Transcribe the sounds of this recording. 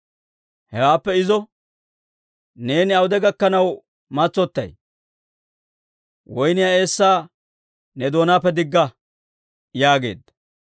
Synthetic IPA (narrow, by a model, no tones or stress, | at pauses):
hɛwaːpːɛɪzɔ | ne̞ːnɪɐwʊd̪ɛɡɐkːɐnɐw | mɐt͡sːɔt̪ːɐ̰j | wɔjnɪjae̞ːsːaː | nɛd̪o̞ːnaːpːɛd̪ɪɡːɐ | jaːɡe̞̰ːd̪ɐ